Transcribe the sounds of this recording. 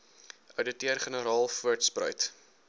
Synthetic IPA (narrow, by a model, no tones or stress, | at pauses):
ʔœwdətiərχənəɾɑːlˠfuərtsprœ̰ɥt